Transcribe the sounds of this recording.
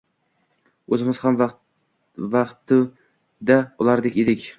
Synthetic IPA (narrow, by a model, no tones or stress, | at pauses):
ɵzɪmɪz̥hamv | vaqt̪ɪ | d̪aʊlˠaɾd̪ekʲed̪ɪkʲ